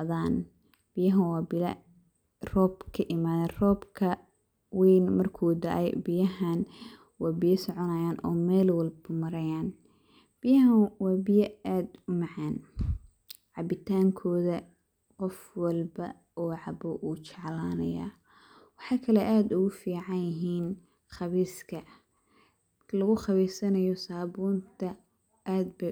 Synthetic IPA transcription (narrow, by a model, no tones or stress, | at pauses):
ðaːn | b̥ɪjɐɦɐnwɑːbɪ | rɔːbkʰɐʔɪmaːðɐːnrɔːbkʰɐ | wiːnmɐrkʰuːd̪ɐʔɛ̰jbɪjɐɦan | wɑːbɪjɐsɔʕɔnɐjaːnʔɔ̰ːmɛːlwɐlbɐmɐɾɐjaːn | b̥ɪjɐɦɐnwɑːbɪjɐaːd̪ʊmɑʕɑːn | ʕɑbɪt̪ʰaːŋkʰɔːðɐ | qɔfwɐlbɐ̰ | ɔːʕɑbɔʔuːt͡ʃɑʕlaːnɐ̰ja̰ː | wɑħɑːkʰɐlɛʔaːd̪ʊɣʊfiːʕɑnjɐɦiːn | χɑβiːskʰɐ | lɐɣʊχɑβiːsɐnɐjɔsaːβuːnt̪ʰɐ | ʔaːd̪̚bɐ